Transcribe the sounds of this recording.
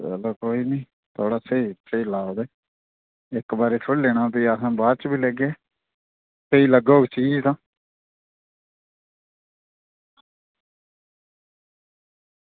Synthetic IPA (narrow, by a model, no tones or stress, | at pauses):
ɛ̰loːkoːiːniː | t̪ʰoːɽaːsəiːsəiːlaːoːd̪eː | ɪkbaːɾeːtʰʊɽleːɽ̃ãːpiːəsãːbaːɾt͡ʃbiːlɛːɡeː | səiːləɡoːɡeːt͡ʃiːd͡ʒt̪ãː